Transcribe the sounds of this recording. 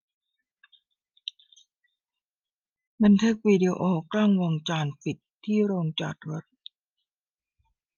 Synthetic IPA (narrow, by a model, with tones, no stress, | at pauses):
ma˧nt̪ʰe˦˥k̚wiː˧di˧ʔoː˧klaː˥˩ŋwo˧ŋt͡ɕaː˧npi˨˩t̪ʰːiː˥˩ɾoː˧ŋt͡ɕa̰˨˩t̪̚ɾa˦˥t̪̚